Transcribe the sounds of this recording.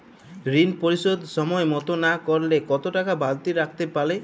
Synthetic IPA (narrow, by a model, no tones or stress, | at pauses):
ɾinpoɾisod̪ʱsɔmɔemɔt̪onakɔɾlekɔt̪oʈakabʱalt̪iɾak̚ʰt̪epale